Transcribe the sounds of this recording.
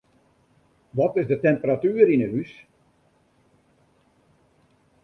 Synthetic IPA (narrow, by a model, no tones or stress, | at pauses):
ʋɔtɪzdətɛmpəratyːɾinəɦys